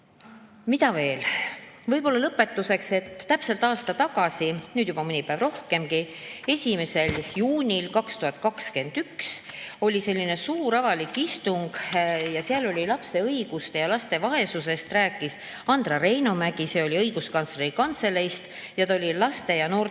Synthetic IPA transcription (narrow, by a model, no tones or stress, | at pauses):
mit̪ɑve̞ːlvɤjbo̞lːɑlɤpːˑe̞t̪ːuse̞kse̞t̪ːæpse̞lt̪ːˑɑːst̪ɑt̪ɑɡɑsinyːd̪jubɑmɯnʲipævro̞hke̞mɡi | e̞sʲime̞se̞ljuːnʲilkɑkst̪uhɑt̪̚ˑkɑkske̞nd̪̥ykso̞lʲise̞lʲːine̞suːɾɑvɑlikːist̪uŋɡ̥jɑsiɑlo̞lʲilɑpse̞ɤiɡ̥ust̪e̞jɑlɑst̪e̞vɑe̞suse̞st̪ræːkːˑis | ɑnd̪̥rɑɾe̞jnomæɡ̥ise̞ːo̞lʲiɤjɡ̥uskɑnt̪sleɾikɑnt̪se̞le̞jst̪ | jɑt̪ɑolʲilɑst̪e̞jɑno̞ː